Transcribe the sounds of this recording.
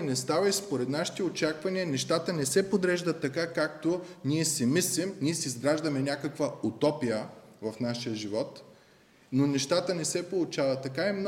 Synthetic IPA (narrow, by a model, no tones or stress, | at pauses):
nɛst̪avɐispoɾɛt̪naʃi̥t̪ɛot͡ʃakvɐniənɛʃt̪at̪ənɛsɛpod̪ɾɛʒd̪ɐt̪ːɐkakak̚t̪oniɛsɛmislimniɛsiːzɡɾaʒd̪ɐmɛnʲakəkvəut̪ɔpijəvɐfnaʃijəʒivɔt̪ | nonɛʃt̪at̪ənɛsɛpolˠʊt͡ʃavɐt̪ːɐkaɛmn